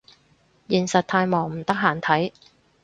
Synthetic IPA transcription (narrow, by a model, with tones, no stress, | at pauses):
jiː˨˩nsɐ˨t̚t̪ʰaː˧jmɔː˨˩ŋm̩˨˩t̪ɐ˥k̚ɦaː˨˩nt̪ʰɐ˨˥j